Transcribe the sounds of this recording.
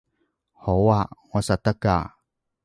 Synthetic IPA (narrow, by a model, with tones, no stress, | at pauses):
ho˨waŋa˨sa˨t̪a˦ka̰